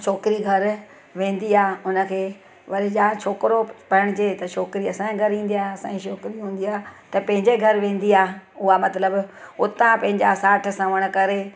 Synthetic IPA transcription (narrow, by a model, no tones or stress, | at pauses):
t͡ɕʰoːkɪɾiɡʱɐɾ | ʋẽːn̆d̪iaːʊnə̆kʰeː | ʋɐɾed͡ʑãːt͡ɕʰoːkɪɾopɐəɽ̃ʊd͡ʑeːt̪ɐt͡ʃʰoːkɪɾiɐsãɡʱɐɾĩːn̆d̪iaːɐsã̰ĩt͡ʃʰoːkɾiɦũːn̆d̪iaːt̪ɐpɐ̃ɦɪ̃ɲd͡ʑeɡʱɐɾʋẽːn̆d̪iaːʊɦamɐt̪ləbʊt̪ãpɐ̃ɦɪ̃ɲd͡ʑasaːʈ̆ʰsɐ̃ʋəɽ̃ʊ̆kɐɾe